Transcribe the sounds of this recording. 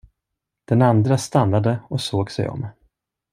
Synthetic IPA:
d̪̥ɛnand̪ɾast̪anːad̪əɔsoːɡsɛ̰jɔ̰mː

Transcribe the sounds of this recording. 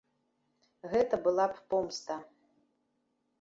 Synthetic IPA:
ɣɛt̪ɐbɨlˠappɔmst̪ɐ

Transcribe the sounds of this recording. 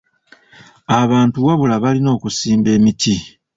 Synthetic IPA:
aβaːntuwaβulaβalino̞ːkusiːmbe̞ːmitʰi

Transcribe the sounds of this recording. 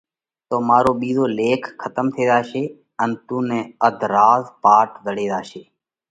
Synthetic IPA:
t̪oːmaːɾoːɓiːzoːleːkʰkʰːət̪əmt̪ʰeːd̪aːʃeː | ənːt̪uːnẽːəd̪ʱɾaːzpaːʈd̪əɽeːd̪aːʃeː

